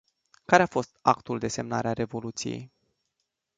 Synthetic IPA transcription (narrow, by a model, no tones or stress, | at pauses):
kaɾeafo̞st̪akt̪uld̪e̞se̞mna̰ɾeaɾe̞vo̞lut̪sije̞̰j